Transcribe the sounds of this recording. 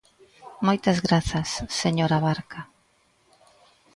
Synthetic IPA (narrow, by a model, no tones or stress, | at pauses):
mojt̪ɐzɣɾaθɐsːeɲoɾaβaɾka